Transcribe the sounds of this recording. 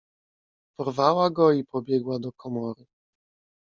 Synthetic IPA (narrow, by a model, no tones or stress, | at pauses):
pɔɾvawaɡɔipɔbʲjɛɡwad̪ɔkʰɔmɔɾu